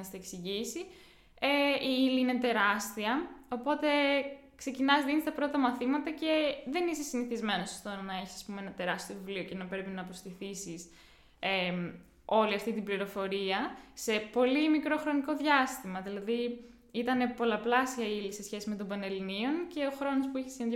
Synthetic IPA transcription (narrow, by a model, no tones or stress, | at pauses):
st̪eeksiʝisi | eiiliinet̪e̞ɾɐst̪iɐo̞po̞t̪e̞ | kse̞cinɐzðinest̪ɐpɾo̞t̪ɐmɐθimɐt̪ɐce̞ðe̞nisesiniθizme̞noso̥st̪onɐe̞çisɐ̥spumeenɐt̪e̞ɾɐst̪iovivlio̞cenɐpɾe̞pinɐːpost̪iθisis | e | o̞liɐft̪it̪ibliɾo̞fo̞ɾiɐse̞po̞limikɾo̞xɾo̞niko̞ðʝɐst̪imɐðilɐði | it̪ɐne̞po̞lɐplɐsiɐilise̞sçesime̞t̪o̞mbɐnelinio̞nce̞o̞xɾo̞no̞spuiçi̥sineð